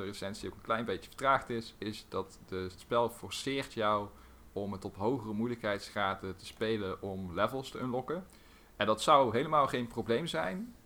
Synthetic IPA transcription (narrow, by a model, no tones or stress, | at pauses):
əresɛntsiowkənklɛjnbejtə̥və̥ɹtraːχtɪsɪsdɑtdətspɛlˠfɔɹsɪːɹtjɑw | ɔmətɔpɦowχərəmujələkɦɛjtsχaːtətə̥spejləʔɔmlɛvəlˠstəənlɔkə | ɛndɑtsʌwɦejləmaːlˠχejnprowblejmzɛjn